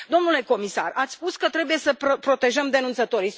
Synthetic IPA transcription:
d̪o̞mnule̞ko̞misa̰rat̪sʲspuskət̪ɾe̞buje̞səppɾo̞t̪e̞ʒəmd̪e̞nunt̪sət̪o̞ɾi

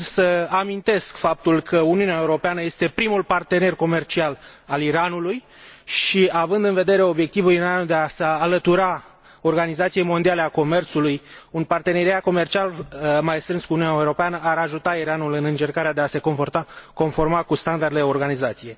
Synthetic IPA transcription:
səamint̪e̞skfap̚t̪ulkʰəuniuneaeuɾo̞peanəje̞st̪e̞pɾimulpart̪e̞ne̞rko̞me̞rt͡ʃialaliɾanuluj | ʃiavɨnd̪ɨnve̞d̪e̞ɾe̞o̞bje̞k̚t̪ivuliɾand̪easaːlət̪uɾa | o̞rɡanizat̪sijejmo̞nd̪ialeako̞me̞rt̪sulujunpart̪e̞ne̞ɾiat̪̚ko̞me̞rt͡ʃialəmajst̪ɾɨnskuniunaeuɾo̞peanəaɾaʒut̪aiɾanulɨnɨnt͡ʃe̞rkaɾead̪e̞ase̞ko̞nfo̞rt̪ako̞nfo̞rmakust̪and̪ard̪ed̪eo̞rɡanizat̪sije̞

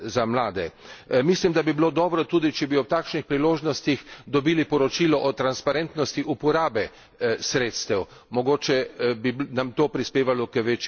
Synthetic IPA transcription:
zamlaːd̪ɛmislimd̪abibilod̪ɔːbɾɔt̪uːd̪it͡ʃɛbiɔt̪aːkʃnixpɾiloːʒnɔst̪ixd̪ɔbiːlipɔɾɔt͡ʃilɔʔɔt̪ɾanspaɾent̪nɔst̪iʔupɔɾaːbɛ | sɾeːt̪st̪ɛw | mɔɡoːt͡ʃɛbinamt̪oːpɾispeːʋalɔkəʋeːt͡ʃ

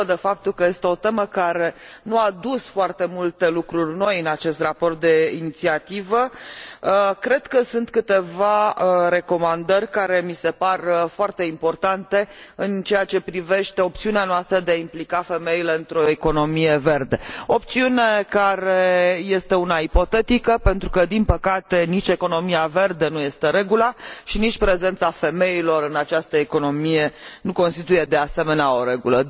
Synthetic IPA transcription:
d̪e̞fap̚t̪ulkəje̞st̪e̞o̞t̪e̞məkaɾe̞nuad̪usfoart̪e̞mult̪e̞lukɾurʲno̞jɨnat͡ʃe̞st̪rapo̞rt̪̚d̪e̞init̪siat̪ivə | kɾe̞d̪kəsunt̪kɨt̪e̞vaɾe̞ko̞mand̪ərʲkaɾe̞mise̞parfoart̪e̞impo̞rt̪ant̪e̞ɨnt͡ʃe̞jat͡ʃe̞pɾive̞ʃt̪e̞o̞pt̪siuneanoast̪ɾəd̪eaimplikafe̞me̞ile̞ɨnt̪ɾo̞eko̞no̞mije̞ve̞rd̪e̞op̚t̪siune̞kaɾeje̞st̪e̞unaipo̞t̪e̞t̪ikəpe̞nt̪ɾukəd̪inpəkat̪e̞nit͡ʃʲe̞ko̞no̞miave̞rd̪e̞nuje̞st̪e̞ɾe̞ɡulaʃinit͡ʃʲpɾe̞ze̞nt̪safe̞me̞ilo̞ɾɨnat͡ʃast̪əeko̞no̞mije̞nuko̞nst̪it̪uje̞d̪e̞ase̞me̞neao̞ɾe̞ɡulə

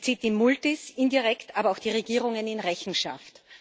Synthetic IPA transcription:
t͡siːt̚d̥imʊltɪsɪndiʁɛktaːbɐaʊxd̥iːʁeɡiːʁ̞ʊŋənɪnʁɛçn̩ʃa̰ft

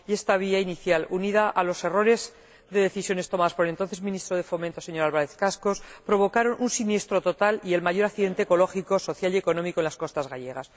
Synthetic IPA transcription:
je̞st̪aβ̞iainiθjaluniðaʔalo̞se̞ro̞ɾe̞z | ðe̞ðe̞θisjo̞ne̞st̪omaðaspoele̞nt̪o̞nθe̞zmĩnist̪ɾoð̞e̞fo̞mẽnt̪o̞se̞ɲo̞ɾalβaɾeθkasko̞spɾo̞β̞o̞kaɾo̞nʔunsinje̞st̪ɾo̞t̪o̞t̪alie̞lmaʝo̞ɾakθiðe̞nt̪eko̞lo̞xiko̞so̞θjalie̞ko̞nõ̞miko̞enlasko̞st̪azɣaʝe̞ɣ̞as

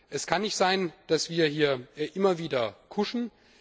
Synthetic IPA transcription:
ʔɛskʰanːɪçtz̥aɪnd̥asv̥iːɐhiːɐʔɪmɐviːdɐkʰʊʃn̩

